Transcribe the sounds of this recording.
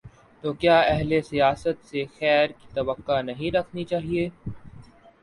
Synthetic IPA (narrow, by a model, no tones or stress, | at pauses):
t̪oːkjaːɛɦlesijaːsət̪sexɛːɾkit̪ɐbəqːanɐɦĩɾɐkʰnit͡ʃaːɦie